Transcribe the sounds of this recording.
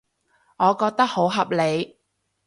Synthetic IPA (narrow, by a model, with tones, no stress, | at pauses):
ŋɔː˨˧kɔː˧k̚t̪ɐ˥k̚ho˨˥wɦɐ˨p̚le˨˧j